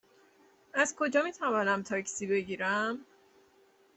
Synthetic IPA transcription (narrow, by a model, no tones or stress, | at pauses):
ʔæzkʰo̞d͡ʒɒːmiːt̪ʰævɒːnæmt̪ʰɒːcʰsiːbe̞ɟiːɾæm